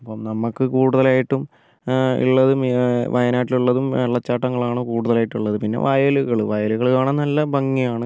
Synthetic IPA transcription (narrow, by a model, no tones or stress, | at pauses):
ɐpːomnɐmːɐkːɨkuːɽuðɐlaːjiʈːum | ḭɭːɐðɨmʋʔɐjɐnaːʈiluɭːɐðumɐɭːɐt͡ɕːaːʈːɐŋːɐɭaːɳɨkuːɽuðɐlaːjiʈːuɭːɐðɨpinːe̞̰ʋʔaːjɐluɣɐɭʋaːjɐluɣɐɭkaːɳɐnnɐlːɐbɐŋːijaːɳɨ